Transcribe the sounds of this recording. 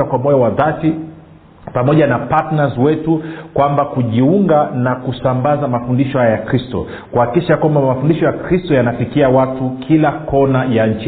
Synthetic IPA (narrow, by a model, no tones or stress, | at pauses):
akwamɔjawaðati | pamɔʄanapatnazwɛtukwambakuʄiuŋɡanakusambazamafundiʃɔhajajakɾistɔ̰ | kuhaki̥kiʃakwambamafundiʃɔjakɾistɔjanafikiawatukʰilakʰɔnajaɲ̩t͡ʃ